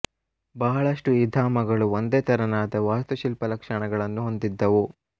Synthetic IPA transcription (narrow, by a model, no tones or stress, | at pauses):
bɐɦɐɭɐʂʈuid̪ʱaːmɐɡɐɭuond̪eːt̪ɐɾɐnaːd̪ɐʋaːst̪uʃilpɐlɐkʂɐɳɐɡɐɭɐnːuɦo̞nd̪id̪ːɐʋu